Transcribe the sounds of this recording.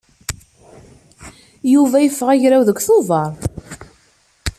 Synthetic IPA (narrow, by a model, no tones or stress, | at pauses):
juvæjəfːəʁæʝɾæwðəkʷːθoðɑɾˤ